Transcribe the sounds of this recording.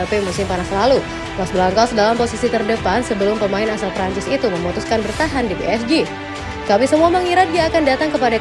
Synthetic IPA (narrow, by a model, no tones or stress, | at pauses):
pemusɪmpanaslalu | masbəlaŋkawsədalamposisit̪ərdəpansəbəlʊmpəmaɪnasalpɾaɲt͡ʃɪsit̪uməmot̪uskanbərt̪aɦandibeʔɛsd͡ʒi | kamisəmuaməŋiɾat̪̚diaːkandat̪aŋkəpada